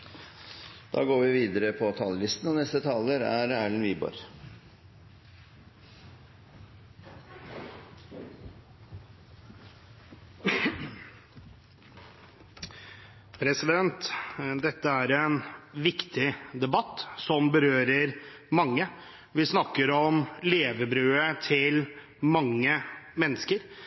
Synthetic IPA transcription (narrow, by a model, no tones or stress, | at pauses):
d̪̥ɑ̰ːɡoːɾʋɪʋiːd̪əɾəpʰɔt̪ʰɑːləlɪst̪n̩ɔnɛst̪ət̪ʰɑːləɾæ̰ɾæːɭənʋiːbɔ̰ɾ | pʰɾɛsɪd̪ɛnt̪d̪ɛt̪ːəæɾɛnʋɪkt̪ɪd̪ɛbɑt̪ːsɔmbəɾøːɾəɾ | mɑŋːə | ʋɪsnɑkːəɾɔmleːʋəbɾʉːət̪ʰɪl | mɑŋːəmɛnːəskəɾ